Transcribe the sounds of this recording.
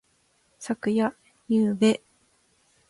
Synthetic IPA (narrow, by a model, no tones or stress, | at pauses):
sakɯ̟ja | jɯːbe